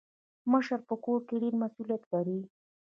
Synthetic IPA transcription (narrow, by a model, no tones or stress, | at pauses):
məʃəɾpəkoɾkeɖeɾmasulijat̪ɡaɾi